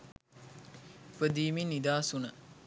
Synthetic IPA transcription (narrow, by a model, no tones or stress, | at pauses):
pəd̪iːminːid̪aːsunə